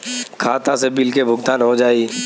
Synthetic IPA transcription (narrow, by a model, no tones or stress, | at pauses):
kʰaːt̪ãsebɪlkebʱʊɡt̪aːnɦod͡ʒaːi